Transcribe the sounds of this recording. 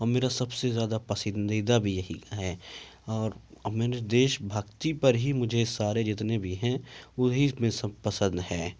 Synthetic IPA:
ɔːɾmeːɾasɐbsezjaːd̪apɐsɪnd̪id̪abʱijɐɦiɦɛːɔːɾmeːɾed̪eːʃbʱɐkt̪ipɐɾɦimʊd͡ʒʱesaːɾed͡ʒɪt̪nebʱiɦɛ̃ʊɦimẽsəpɐsə̃nd̪ɦɛː

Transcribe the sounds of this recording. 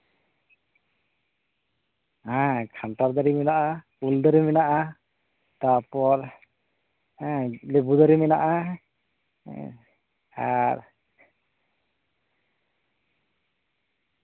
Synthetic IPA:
ɦãkʰantaɾd̪aɾimɛnaʔa | uld̪əɾimɛnaʔa | t̪apɔɾ | lebud̪əɾimɛnaʔa | aɾ

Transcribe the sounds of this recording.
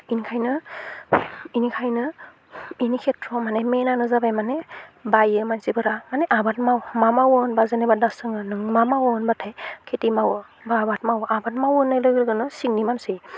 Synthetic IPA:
inikʰajnɯ | inikʰajnɯ | inikʰetʰɾɔmanemenanɯzabajmanebajɯmansibɯɾamaneʔabat̚mawmamawɯnbazɯnebadasɯŋɯnɯŋmamawɯnbatʰajkʰetimawɯ | babat̚mawʔabatmawɯnːajlɯɡɾɯɡɯnɯsiŋnimamsij

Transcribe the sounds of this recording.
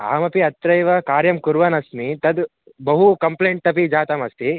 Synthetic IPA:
a̰ːmɐpiɐt̪ɾɐjʋɐkaːɾjɐmkuɾʋɐnɐsnit̪ɐd̪ | bɐɦukɐmpleːɳʈ̚t̪ɐpid͡ʒaːt̪ɐmɐst̪i

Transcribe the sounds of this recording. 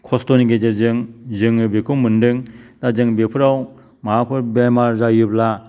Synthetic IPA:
kʰɔstɔniɡed͡ʒeɾzɯŋzɯŋɯbekʰumːɯndɯŋdazɯŋbepʰɯɾaw | maɦapʰɯɾbemaɾzajɯbla

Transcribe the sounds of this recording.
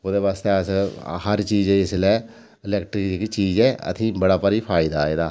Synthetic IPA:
oːd̪eːʋaːst̪eːəshəɾt͡ʃiːd͡ʒɛɪslɛː | ɪlɛːkʈɾɪkkt͡ʃiːd͡ʒɛːə̰t̪ʰĩːbəɽaːpəɾiːpʰaːɪd̪aːeːd̪aː

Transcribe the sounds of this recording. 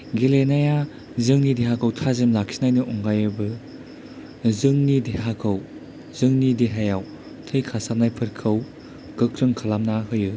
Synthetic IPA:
ɡelenaja | zɯŋnideɦakʰɯwtʰazemlak̚sinajnɯʔɔŋɡajɯbɯ | zɯŋnideɦakʰɯw | zɯŋnideɦajaw | tʰɯjkʰasanajpʰɯɾkʰɯw | ɡ̥ɯk̚ɾɯŋkʰalamnahɯjɯ

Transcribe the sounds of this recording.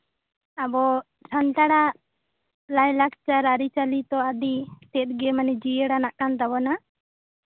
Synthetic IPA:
abɔ | sʰant̪aɽa | lajlak̚t͡ʃaɾaɾit͡ʃalit̪ɔad̪it̪ɛt̪̚ɡɛmanid͡ʒijəɽanaʔkant̪abɔna

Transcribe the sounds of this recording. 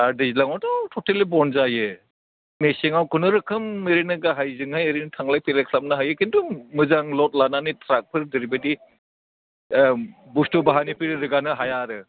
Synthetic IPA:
aɾdizlaŋatatʰɔtʰelibɔnzaje | meseŋawkʰunɯɾɯkʰɯmeɾenɯɡaɦajzɯŋhajeɾintʰaŋlajpʰelekʰlap̚naɦajekʰintumɯzaŋlɔt̚lananitɾak̚pʰɯɾdeɾibadi | bustubaɦanipʰiɾɾɯɡanɯɦajaɾɯ

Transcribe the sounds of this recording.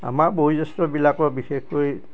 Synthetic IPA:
a̰makboɦuzɔstɔbilakɔɹbixexkoj

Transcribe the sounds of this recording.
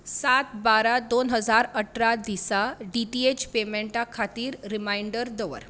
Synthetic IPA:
sat̪baɾad̪onɦəd͡zaɾəʈʰɾad̪isaɖiʈiet͡ɕpemeɳʈakʰat̪iːɾːimaiɳɖəɾd̪əʋə̰ɾ

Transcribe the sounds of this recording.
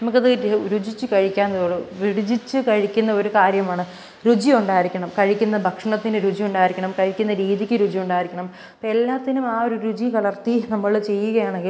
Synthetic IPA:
nɐmuk̬ːɐðɨɾud͡ʑit͡ɕːɨkɐɻikʲːaːnːɐðoːɽɨʋiɽid͡ʑit͡ɕːɨkɐɻikʲːunːɐo̞ɾukaːɾjɐmaːɳɨ | ɾud͡ʑijuɳɖaːjiɾikʲːɐɳɐmkɐɻikʲːunːɐbʱɐkʂɐɳɐt̪ːinɨɾud͡ʑijuɳɖaːjiɾikʲːɐɳɐmkɐɻikʲːunːɐɾiːðikʲːɨɾud͡ʑijuɳɖaːjiɾikʲːɐɳɐm | poe̞lːaːt̪ːinumaːo̞ɾuɾud͡ʑikɐɭɐrt̪inɐmːɐɭt͡ɕe̞jːuɣɐjaːɳe̞ŋɡil

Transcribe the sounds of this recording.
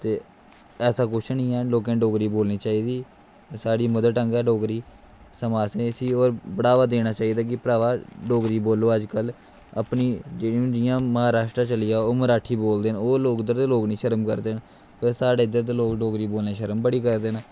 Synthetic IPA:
t̪eː | ɛːsaːkʊt͡ʃʰnĩːɛːloːkẽːɖoːɡɾiːboːlniːt͡ʃaːiːd̪iː | saːɖiːməd̪əʈəŋɡɛːɖoːɡɾiː | səmaːsẽːsiːoːɾbəɽaːʋaːd̪eːnaːt͡ʃaːiːd̪aːk̬ɪpəɾaːʋaːɖoːɡɾiːboːloːəd͡ʒkəl | ə̰pniːd͡ʒeːɽiũːd͡ʒɪjãːməɦaːɾaːʃʈɾaːt͡ʃəlɪjaːoːməɾaːʈʰiːboːld̪eːnoːloːkd̪əɾt̪eːloːknĩːʃəɾəmkəɾd̪eːn | pəɾsaːɖeːd̪əɾt̪̬eːloːkɖoːɡɾiːboːlneːʃəɾəmbəɽiːkəɾd̪eːnː

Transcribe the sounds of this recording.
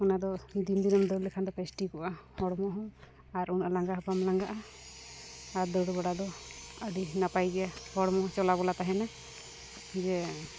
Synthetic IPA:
ɔnad̪ɔd̪ind̪inɔmd̪ɔɾlɛkʰand̪ɔpɛsʈikɔʔahɔɽmɔɦɔ̃ | aɾunalaŋɡaɦɔpamlaŋɡaʔa | aɾd̪ɔɽɔbaɽad̪ɔədinapajɡɛjahɔɽɔmɔ̃t͡ʃɔlabɔlat̪aɦɛna | d͡ʒɛ

